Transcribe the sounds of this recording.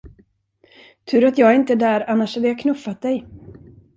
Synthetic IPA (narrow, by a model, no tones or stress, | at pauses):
t̪ʰʉ̟ːɾat̪jɑːɡæɾɪnt̪əd̪æːɾanːaʂhad̪əjaːkʰnɵfːat̪̚d̪ɛj